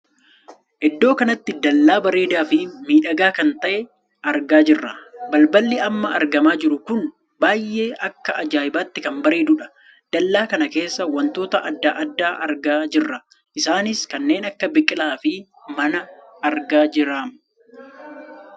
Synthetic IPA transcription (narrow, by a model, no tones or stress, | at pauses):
ʔɛd̪ːo̞ːkɐnɐt̪ːɪd̪ɐlːaːbɐɾeːd̪aːfɪmiːᶑɐɡaːkɐnt̪ɐʔɛ | ɐɾɡaːd͡ʒɪrːɐbɐlbɐlːɪɐmːɐɐɾɡɐmaːd͡ʒɪɾʊkʊn | baːjʔe̞ːʔɐkːɐɐd͡ʒaːjɪbaːt̪ːɪkɐmbɐɾeːd̪ʊᶑɐ̥ | d̪̥ɐlːaːkɐnɐke̞ːsːɐwɐnt̪o̞ːt̪ɐʔɐd̪ːaːʔɐd̪ːaːʔɐɾɡaːd͡ʒɪrːɐ | ʔɪsaːnɪskɐnːe̞ːnɐkːɐbɪkʼɪlaːfɪ | mɐnɐɐɾɡaːd͡ʒɪɾaːm